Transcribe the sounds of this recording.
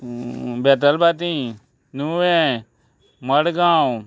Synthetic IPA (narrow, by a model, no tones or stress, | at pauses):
beːt̪̬əlbat̪̬ĩː | nuːʋẽ | məɽɡãːw